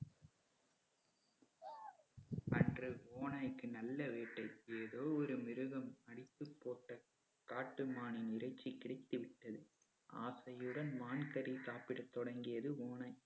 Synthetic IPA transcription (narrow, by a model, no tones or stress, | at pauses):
ʔɐndrɯoːnɐɪkːɯnɐlːɐʋeːʈːɐɪeːðoːɔɾɯmɪɾɯɣɐmɐɽɪt̪ːɯpːoːʈːɐ | kaːʈːɯmaːnɪnɪɾɐɪt͡ʃːikːɪɽɐɪt̪ːɯʋɪʈ̪ːɐðɯ | ʔa̰ːsɐjɯɽɐnmaːnkɐɾisaːpɪɽɐt̪ːɔɽɐŋɡɪjɐðɯoːnɐɪ